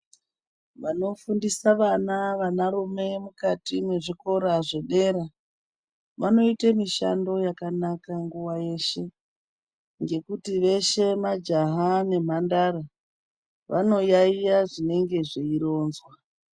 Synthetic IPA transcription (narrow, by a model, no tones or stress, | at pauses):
ʋano̞fundisaʋanaʋanaɾume̞mukatimwe̞ʐiko̞ɾaʐe̞ɗe̞ɾa | ʋano̞itamiʃa̰ndo̞jakanakaŋɡuwaje̞ʃe̞ | ŋɡe̞kutiʋe̞ʃe̞mad͡ʒaɦane̞m̤andara | ʋa̰no̞jaijaʐine̞ŋɡe̞ʐeiɾo̞ːnzwa